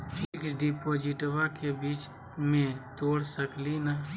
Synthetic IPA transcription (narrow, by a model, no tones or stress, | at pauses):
ɪksɖipoːd͡ʒɪʈʋakebiːt͡ʃ | mẽt̪oːɽsəklina